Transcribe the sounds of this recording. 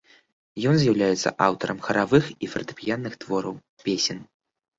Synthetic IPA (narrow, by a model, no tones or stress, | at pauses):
jɔnzʲjawlʲajɛt̪sːɐ̰ʔawt̪ɐɾʔɐmxɐɾavɨxifɐrt̪ɨ̥pʲijanːɨxt̪vɔɾɐw | pʲesʲɛn